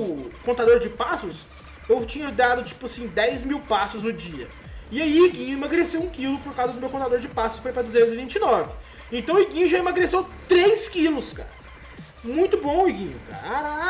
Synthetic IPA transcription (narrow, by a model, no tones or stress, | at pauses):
kõnt̪ad̪oɾd͡ʒɪpasʊs | ewt͡ʃĩɲɐd̪ad̪ʊt͡ʃi̥pʊasĩd̪ɛjzmiwpasʊznʊd͡ʒiɐ | ɪaiɪɡĩɲʊemaɡɾesewũkilʊpoɾkawzɐd̪ʊmewkõt̪ad̪oɾd͡ʒɪpasʊsɪfojpɾɐd̪ʊzẽt̪ʊzɪvĩnt͡ʃɪnɔvɪ | ẽnt̪ɐ̃w̃ɪɡĩɲʊʒaemaɡɾesewt̪ɾejskilʊska̰ɾɐ | mũj̃t̪ʊbõɪɡĩɲʊka̰